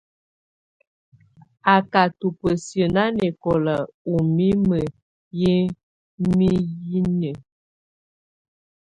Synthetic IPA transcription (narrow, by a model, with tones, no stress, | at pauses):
a˨ka˨tu˨pə˨sjə˨na˦ne˨kɔ˨lə˨u˨mi˦mə˨ | je˦ | mi˦ji˦nə˨